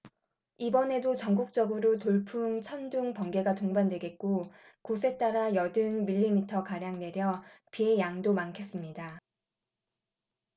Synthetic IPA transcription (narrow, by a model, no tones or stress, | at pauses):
ibʌne̞dot͡ɕʌŋɡuk̚t͡ɕ͈ʌɡɯɾotoɭpʰuŋt͡ɕʰʌnduŋpʌŋɡe̞ɡatoŋbandwe̞ɡe̞t̚k͈o | kosʰe̞t͈aɾajʌdɯnmiʎːimitʰʌkaɾjaŋne̞ɾjʌpiejaŋdomaŋkʰe̞s͈ɯmɲida